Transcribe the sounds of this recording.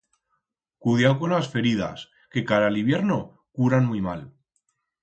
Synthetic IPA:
kuð̞jawko̞nlasfe̞ɾið̞a̰s | ke̞kaɾaliβje̞ɾno̞ | kuɾanmujmal

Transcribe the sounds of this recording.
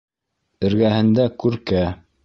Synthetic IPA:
ɘ̆ɾɡæhɘ̆nd̪ækʉɾkæ

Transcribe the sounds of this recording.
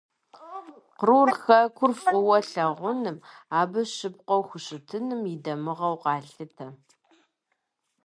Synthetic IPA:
qruːrxɐkʷʰʊrfqʷʊwɐɬɐʁʷʊnɨmaːbɐɕɨp̚qʷɔwxʷʊɕɪtʰɨnɨmidɐmɨʁɐwqɑːɬɨtʰɐ

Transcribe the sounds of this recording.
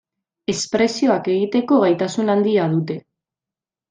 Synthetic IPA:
e̞spɾe̞sio̞ake̞ɣ̞it̪e̞ko̞ɣajt̪asunand̪iað̞ut̪e̞

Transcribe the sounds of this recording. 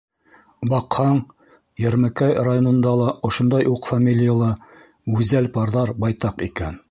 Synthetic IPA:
bɑqhɑɴ | jæɾmækæjrajonŏnd̪ɑlˠɑʔŏʃŏnd̪ɑjʔuqfamʲilʲɪjalˠɤ | ʉzælpɑɾðɑɾbɑjt̪ɑqikæn

